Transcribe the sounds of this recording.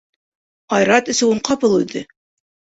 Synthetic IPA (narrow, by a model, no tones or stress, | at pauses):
ɑjɾɑt̪ɘ̆sɘ̆uɴqɑpɤlˠʉðɘ